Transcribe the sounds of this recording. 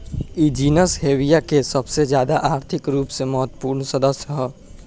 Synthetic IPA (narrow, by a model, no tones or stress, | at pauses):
id͡ʒiːnəsɦeːʋijakesɐbsed͡ʒjaːd̪aʔaːɾt̪ʰɪkɾuːpseməɦət̪ːə̥puːɾɳsɐd̪əsjəɦɛː